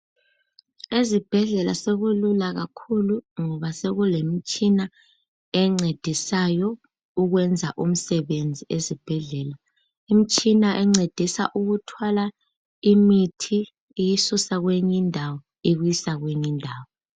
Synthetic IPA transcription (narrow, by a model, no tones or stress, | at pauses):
ezib̥ʱɛɮɛla̰seɣululaɣakʰuluŋɔβaseɣulem̩t͡ʃʼina | ɛŋ͡ǀed̥ʱisajɔ | uɣwɛnd͡zʱaʔum̩sɛβend͡zʱiʔezib̥ʱɛɮɛːla | im̩t͡ʃʼinaʔɛŋ͡ǀed̥ʱisa̰ʔuɣutʰwala | imitʰiː | jisusaɣweɲindʱawɔ | iɣwjisaɣweɲindʱaːwɔ